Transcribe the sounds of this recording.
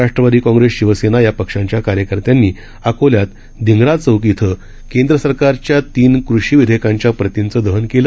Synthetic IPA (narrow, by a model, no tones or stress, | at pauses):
aʂʈɾəʋad̪iːkɔ̃ŋɡɾesɕiʋəsenajapəkʂãɲt͡ɕjakaɾjəkəɾt̪janːiː | akoljat̪ | d̪ʱiŋɡɾat͡səwkit̪ʰə | kend̪ɾəsəɾkaɾt͡ɕjat̪iːnkɾuɕiːʋid̪ʱekãɲt͡ɕjapɾət̪int͡səːd̪əɦənkelə